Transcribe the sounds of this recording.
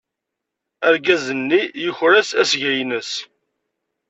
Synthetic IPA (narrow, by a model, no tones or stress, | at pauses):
æɾɡæzənːijəçɾæsæsʝæjnəs